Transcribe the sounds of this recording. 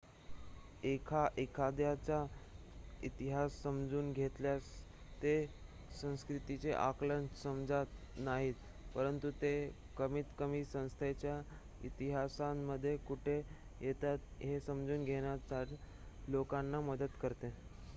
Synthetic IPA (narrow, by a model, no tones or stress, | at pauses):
ekʰaʔekʰad̪jat͡ɕa | it̪iɦasːəmd͡zuːnɡʱet̪ljas | t̪e | sə̃w̃skɾit̪it͡seʔaklənsəmd͡zat̪ | naɦiːt̪ | pəɾənt̪ut̪e | kəmiːt̪kəmisə̃w̃st̪ʰet͡ɕja | ḭt̪iɦasanːəd̪ʱːjekuʈʰe | jet̪at̪ɦesəmd͡zuːnɡʱeɽ̃jat͡saʈ | lokanːaməd̪ət̪kəɾt̪e